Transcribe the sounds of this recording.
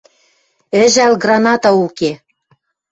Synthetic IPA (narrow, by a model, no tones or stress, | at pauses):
ɘ̆ʒælɡrɑnɑt̪ɑuke